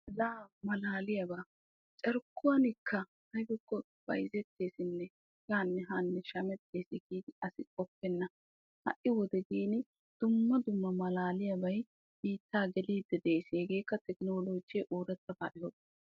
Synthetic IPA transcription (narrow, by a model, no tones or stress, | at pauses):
laːmɐlaːlɪjɐbaː | t͡ʃʼɛɾkːʊwɐnɪkʰːɐ | hɐjbɪkːɔ | b̥ɐ̰jzɛt̪ːe̞ːsɪnːɛ | ɡaːnːɛɦaːnːɛʃɐmɛt̪ːeːsɪɡiːd̪ɪɐsɪkʼɔpːɛnːɐ | hɐ̰ʔɪwɔd̪ɛɡiːnɪ | d̪̥ʊmːɐd̪ʊmːɐmɐlaːlɪjɐbɐj | biːt̪ʰːaːɡɛliːd̪ːɛd̪eːseːɡeːkːɐt̪ɛknoːloːd͡ʒɛʔoːɾɛt̪ːɐba̰ːʔɪhɔb̪